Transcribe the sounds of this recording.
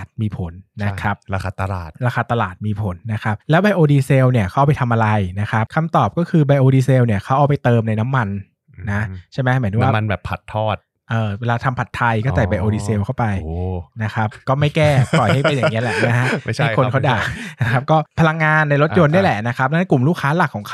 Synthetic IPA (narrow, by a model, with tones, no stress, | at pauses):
t̪̚miː˧pʰo˩˦nːa˦˥kʰa˦˥p̚a˧aː˧t̪a˧laː˨˩t̪̚ɾaː˧kaː˧t̪a˧laː˨˩t̪̚miː˧pʰo˨˩˦nːa˦˥kʰa˦˥p̚lɛː˦˥wba˧jʔoː˧diː˧seː˧wni˥˩ɐkʰa˦˥ʔpa˧jt̪ʰa˧mʔa˧ɾa˧jna˦˥kʰa˦˥p̚kʰa˧mt̪ɔː˨˩p̚kɔː˥˩kʰɯː˧ba˧jʔoː˧diː˧seː˧wni˥˩ɐkʰa˦˥wʔaː˧˩wpa˧jt̪ɤː˧mna˧jna˦˥mːa˧n | na˦˥t͡ɕʰa˥˩mɛ˦˥mɯ˩˦ə˦wːma˧nbɛː˨˩pʰa˨˩t̪ʰːɔː˥˩t̪̚ | ʔɤː˧weː˧laː˧t̪ʰa˧mpʰa˨˩t̪ʰːa˧jkɔː˥˩t͡ɕa˨˩ba˧jʔoː˧diː˧seː˧wkʰa˥˩wpa˧jna˦˥kʰa˦˥pkɔː˥˩ma˥˩jkɛː˥˩ɔ˨˩˧a˥˩˧e˧nja˨pŋ˦˥ɐ˨lɛ˨˩ma˦˥ɦa˦˥ʔkʰo˧nkʰa˦˥wdaː˨˩kna˦kʰa˦˥p̚kɔː˥˩pʰa˧la˧ŋːaː˧nːa˧jɾo˦˥t̪jo˧nːu˥˩jlɛ˨˩na˦˥kʰa˦˥p̚dɛ˦˥na˦˥ku˨˩mluː˥˩k̚ʰaː˦˥la˨˩kʰːɔː˩˦ŋkʰ